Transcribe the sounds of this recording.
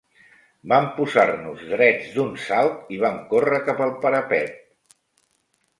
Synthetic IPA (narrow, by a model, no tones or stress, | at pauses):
bampuzarnuzðɾɛd͡zd̪unsalˠt̪iβ̞amkorəkapəlˠpəɾəpɛt̪̚